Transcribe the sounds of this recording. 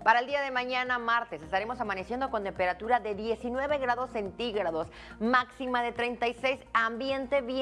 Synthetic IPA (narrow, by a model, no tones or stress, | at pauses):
paɾaeld̪iaðe̞mãɲanamaɾt̪e̞se̞st̪aɾe̞mo̞samane̞sjend̪o̞ko̞nt̪e̞mpe̞ɾat̪uɾaðe̞ðje̞sinwe̞βe̞ɣɾaðo̞sːe̞nt̪iɣɾaðo̞s | maksimaðe̞t̪ɾe̞jnt̪ajsejsambje̞nt̪e̞βj